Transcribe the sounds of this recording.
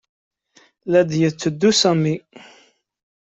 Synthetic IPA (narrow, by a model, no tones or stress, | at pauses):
læd̪jət͡sːəd̪ːusæmi